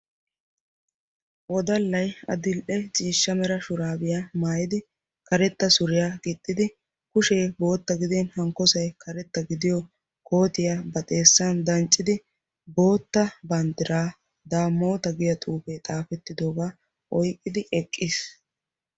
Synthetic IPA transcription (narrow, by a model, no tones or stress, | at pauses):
wʔɔd̪ɐlːɐjɐ̰d̪ɪlʔɛt͡ʃʼiːʃːɐmɛɾɐʃʊɾaːbɪjamaːjɪd̪ɪ | kɐɾɛt̪ːɐsʊɾɪjaːɡɪt̪ʼːɪd̪ɪ | kʊʃe̞ːbo̞ːt̪ːɐɡɪd̪enhɐŋkːɔsɐjkʰɐɾɛt̪ːɐɡɪd̪ɪjɔ | kʰo̞ːt̪ɪjabɐt̪ʼe̞ːsːɐnd̪ɐnt͡ʃʼːɪd̪ɪ | bo̞ːt̪ːɐbɐnd̪ɪɾaː | d̪aːmːo̞ːt̪ɐɡɪjɐt̪ʼuːfet̪ʼaːfɛt̪ːɪd̪oːɡaː | ʔɔjkʼːɪd̪ɪɛkʼːɪs